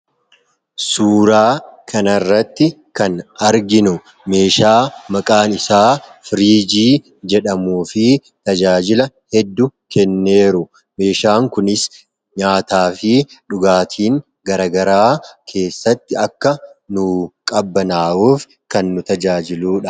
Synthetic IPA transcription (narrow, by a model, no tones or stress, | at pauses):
suːɾaːkʰɐnɐrːɐt̪ːɪ | kɐnɐɾɡɪnʊ | me̞ːʃaːmɐkʼaːnɪsaːfɪɾiːd͡ʒiː | d͡ʒɛᶑɐmuːfɪ | t̪ɐd͡ʒaːd͡ʒɪlɐhɛd̪ːʊkɛnːe̞ːɾʊ | me̞ːʃaːŋkʊnɪs | ɲaːt̪aːfɪᶑʊɡaːt̪ʰiːŋ | ɡɐɾɐɡɐɾaːkʰe̞ːsːɐt̪ːɪɐkːɐnʊkʼɐbːɐnaːʔuːf | kɐnːʊt̪ɐd͡ʒaːd͡ʒɪluːᶑɐ